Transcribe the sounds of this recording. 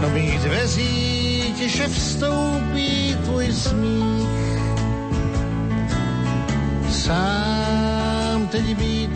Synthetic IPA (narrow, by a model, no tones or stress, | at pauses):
nobiːɣzvɛziː | cɛʃɛfst̪ow | piː | t̪vuːjsmiː | x | saː | mt̪ɛɟɪbiːt̪